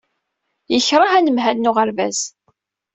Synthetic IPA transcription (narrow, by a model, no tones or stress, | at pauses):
jəçɾˤɑhænəmɦælːʊʁəɾvæz